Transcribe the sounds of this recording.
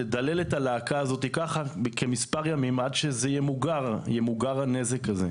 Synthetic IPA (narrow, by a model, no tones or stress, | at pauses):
led̪ale̞letalaːkaːzo̞tikaχakʰemispaʁjamimadʃezejemuɡaʁjemuɡaʁane̞zekaze